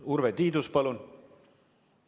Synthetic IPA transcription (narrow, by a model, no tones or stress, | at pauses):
uɾvet̪iːd̪uspɑlun